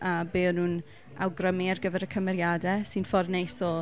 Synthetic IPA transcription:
ʔabeːnun | a̰wɡrəmiarɡəvɛɾəkʰəmɛɾjadɛsɨnfɔrnejsɔ

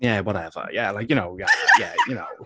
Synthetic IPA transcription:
jæwɒɾɛvə̰jælaɪkjɨnoʊjæjæjɨnoʊ

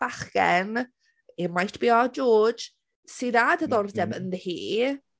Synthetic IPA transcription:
b̥aχkɛn | ɪmajtʰb̥iːɔd͡ʒɔ̥ːd͡ʒ | siðadəðɔrdɛbənðəhiː

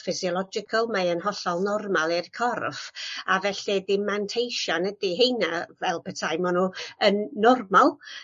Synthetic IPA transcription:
fɪsiɔlˠɔd͡ʒɪkʰəlˠmaənhɔɬɔlˠnɔrmalˠɪrkʰɔrfavɛɬidɪmantʰejʃanədiɦejnavɛlˠpʰətʰajmɔnuənːɔrmalˠ

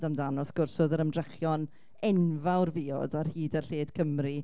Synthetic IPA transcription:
damdanɔsɡ̥ʊrsɔðəɾəmdrɛχjɔn | ɛnvawrviːɔ̰darhiːdərɬeːd̥kʰəmri

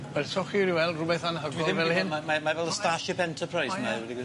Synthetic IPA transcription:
wɛsʰɔχiɾiwɛlˠdrʊbɛθanɦəɡiɔðɪvɛlˠhɪnmamamavɛlˠəstaʃɪpɛntʰəpʰrajsmawɛdiɡ

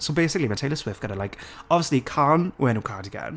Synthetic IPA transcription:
sobejsɪklimatʰejlˠəswɪftɡ̥ənəlajkɔbviəslikʰanwɛnukʰadiɡɛ̰n

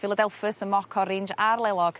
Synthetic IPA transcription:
fɪlˠədɛlˠfəsəmɔkʰɔɾɪnd͡ʒarlˠɛlˠɔɡ̥

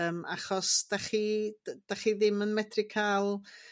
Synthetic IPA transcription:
maχɔsd̥aχi̥d̥aχiðɪmənmɛtrɪkʰalˠ

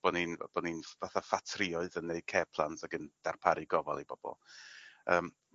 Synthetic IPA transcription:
b̥ɔnin̰b̥ɔninvaθafatʰrɪɔɨðənːeɨkʰɛːpʰlˠantʰaɡənd̥arpʰaɾɨɡɔva̰lˠibɔb̥ɔ̰lˠəːm

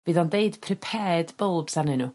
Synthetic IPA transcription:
viːðɔndeɨd̥pʰrɪpʰɛːdbəlˠb̥sanɪnu

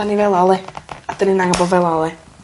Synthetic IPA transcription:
anivɛlˠalˠɛadəninaŋabɔvɛlˠalˠɛ

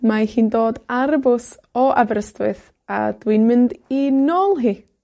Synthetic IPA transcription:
mahiːndoːdaɾəbʊs | ɔʔabɾəstwɨð | a̰d̥winmɪndinoːlˠɦiː

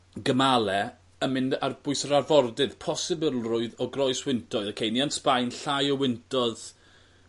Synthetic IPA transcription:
ɡəmalˠɛ | əmɪndarb̥ʊɨsəɾarvɔrdɨð̥pʰɔsɨbɪlˠrʊɨðɔɡrɔɨswɪntʰɔɨðɔkʰejnianspajnɬajɔwɪntʰɔð

